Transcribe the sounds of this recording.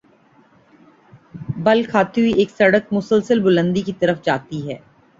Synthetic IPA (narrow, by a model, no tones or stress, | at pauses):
bɐlkʰaːt̪iɦuieːksɐɽək̚mʊsəlsəlbʊlə̃nd̪ikit̪ɐɾəfd͡ʒaːt̪iɦɛː